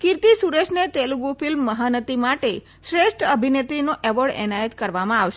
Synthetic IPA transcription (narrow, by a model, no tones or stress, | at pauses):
kɪɾt̪isuɾeʃʰnet̪eluɡufɪlmːəɦanət̪imaʈe | ʃɾeʃʈəbʱinet̪ɾinoʔeʋəɽɛ̰najət̪kəɾʋamãaʋʃe